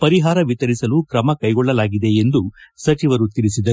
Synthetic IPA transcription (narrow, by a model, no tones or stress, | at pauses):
pɐɾiɦaːɾɐʋit̪ɐɾisɐlukɾɐmɐkɐjɡɔɭːɐlaːɡid̪e̞end̪usɐt͡ʃiʋɐɾut̪iɾisid̪ɐɾu